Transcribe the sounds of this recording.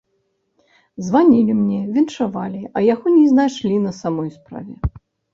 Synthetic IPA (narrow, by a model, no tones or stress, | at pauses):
zvanʲilʲimnʲɛvʲinʂavalʲiɐjaɣɔnʲiznajʂlʲinɐsamɔjspɾa̰vʲɛ